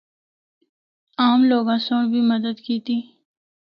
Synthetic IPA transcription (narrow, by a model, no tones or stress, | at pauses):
aːmloːɡãsõːɽbʱimɐd̪əd̪kiːt̪iː